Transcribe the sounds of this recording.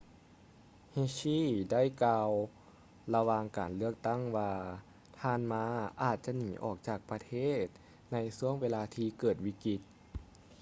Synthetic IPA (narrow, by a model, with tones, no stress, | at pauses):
heː˧˥ɕiː˧˥˩da˥˩˨jkaː˧w | la˧waː˧ŋkaː˨˩nlɯ˥˩ək̚t̪a˥˩ŋwaː˧ | t̪ʰaː˧˥nmaː˧˥ʔaː˨˩t̪̚t͡ɕa˧niː˨˩˦ʔɔː˨˩k̚t͡ɕaː˨˩k̚pa˧t̪ʰeː˥˩t̪̚ | na˧jsu˧˥əŋweː˧laː˧t̪ʰiː˧kɤː˨˩t̪̚wi˧˥ki˧t̪̚